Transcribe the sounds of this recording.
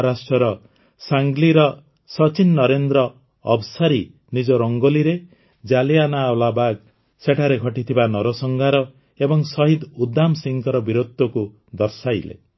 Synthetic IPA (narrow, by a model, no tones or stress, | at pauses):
ɾasʈɔɾɔ | saŋɡliɾɔ | sɔt͡ʃinːɔɾend̪ɾɔ̰ː | bsaɾi | nid͡ʒɔɾɔŋɡoliɾe | d͡ʒalijanaːwlabaɡ | seʈʰaɾeɡʱɔʈit̪ʰibanɔɾɔsɔŋɡaɾɔ | ebɔŋsɔɦid̪ud̪amsiŋkɔɾɔbiɾod̪ɔku | d̪ɔɾsajlḛ